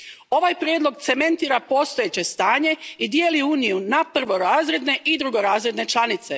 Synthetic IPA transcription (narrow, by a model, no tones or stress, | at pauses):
o̞ʋajpɾjeːd̪lo̞ɡt̪se̞me̞nt̪iːɾapo̞st̪ojet͡ɕe̞st̪aːɲe̞id̪je̞ːliuːnijunapr̩ʋo̞ɾaːzɾe̞d̪ne̞ʔid̪ɾuɡo̞ɾaːzɾe̞d̪ne̞t͡ʃlˠanit̪se̞